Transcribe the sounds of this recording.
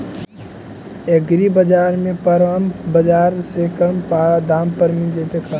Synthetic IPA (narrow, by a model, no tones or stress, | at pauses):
eɡɾibəd͡ʒaːɾmẽpəɾʋambəd͡ʒaːɾsekəmpad̪aːmpəɾmĩnd͡ʒet̪ekʰa